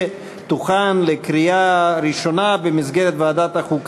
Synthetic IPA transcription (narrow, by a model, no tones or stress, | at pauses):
t̪uχanlekɾiaɾiʃo̞nabemizɡeɾet̪vaaːd̪at̪haχuk